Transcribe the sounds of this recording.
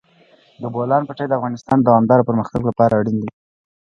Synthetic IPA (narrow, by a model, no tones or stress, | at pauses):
d̪əbolɑnpaʈajd̪əafɣɑnɪst̪ɑnd̪awɑmd̪ɑɾopəɾməxt̪aɡlapɑɾaːɽind̪i